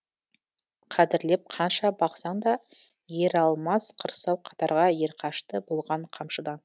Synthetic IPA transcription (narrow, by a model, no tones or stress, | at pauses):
qʰæd̪ɪɾle̞p̚qʰɑnʃɑbɑqsɑnd̪ɑ | je̞ɾɑlˠmɑsqʰəɾsɑwqʰɑ̥t̪ɑɾʁɑje̞ɾqʰɑʃt̪əbo̞lˠʁɑɴqʰɑmʃəd̪ɑn